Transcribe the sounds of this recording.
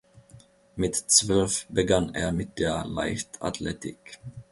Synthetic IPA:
mɪt̪ːsvœlvbəɡanːɛ̰ːɾmɪt̪ːala̰ɪft̪ʰa̰t̪ʰlɛt̪ɪ̰k

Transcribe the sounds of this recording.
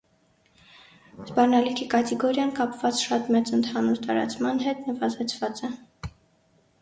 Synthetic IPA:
zbɑrnɑlikʰikɑt̪ɛɡɔɾjɑnkɑpvɑt͡sʃɑt̪mɛt͡sənt̪ʰɑnuɾt̪ɑɾɑ̰t͡smɑnɦɛt̪nəvɑzɛt͡sʰvɑt͡sɛ

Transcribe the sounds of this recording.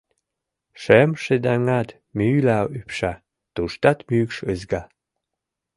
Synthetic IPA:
ʃemʃed̪aŋat̪ | mylawypʃa | t̪uʃt̪at̪mykʃəzɡa

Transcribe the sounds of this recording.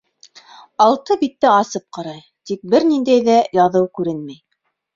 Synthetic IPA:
ɑlˠt̪ɤbit̪ːɘɑsɤp̚qɑɾɑj | t̪ik̚bɘɾnind̪æjðæjɑðɤwkʉɾɘnmæj

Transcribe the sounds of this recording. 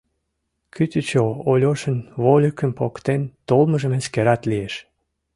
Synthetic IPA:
kyt̪ət͡ɕoolʲoʃənβolʲəkə̆mpokt̪ent̪olməʒəmeskeɾɑt̪lieʃ

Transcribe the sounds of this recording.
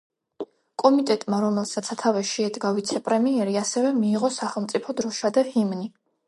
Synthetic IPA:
kʼɔmit̪ʼɛt̪ʼmaɾɔmɛlˠsat̪sʰat̪ʰavɛʃɛɛd̪ɡavit̪sʰɛpʼɾɛmiɛɾiasɛvɛmiːʁɔsaχɛlˠmt̪sʼipʰɔd̪ɾɔʃad̪ahimni

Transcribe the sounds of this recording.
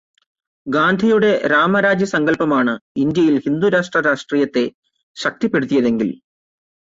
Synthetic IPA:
ɡaːnd̪ʱijuɽe̞ɾaːmɐɾaːd͡ʑjɐsɐŋɡɐlpɐmaːɳɨind̪jɐjilhind̪uɾaːʂʈrɐɾaːʂʈriːjɐt̪ːe̞ | ɕɐk̚t̪ipːe̞ɽut̪ːijɐðe̞ŋɡḭl

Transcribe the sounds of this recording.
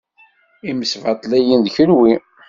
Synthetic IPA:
iməsvɑt̪ˤlæjənðçəɾwi

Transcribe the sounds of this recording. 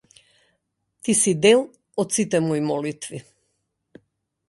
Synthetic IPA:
t̪isid̪ɛlˠ | ɔt̪sit̪ɛmɔjmɔlit̪vi

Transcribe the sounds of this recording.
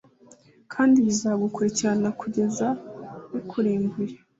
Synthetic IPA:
kʰaːndiβizaɡukuɾiciɾanakuɟe̞zawikʰuɾiːmbuɾe

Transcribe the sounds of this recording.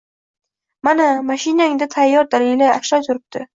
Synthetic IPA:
manamaʃɪnaɪŋd̪at̪ʰajːɒɾd̪alɪjlajaʃlɒjt̪ʰʊɾɪp̚t̪ʰɪ

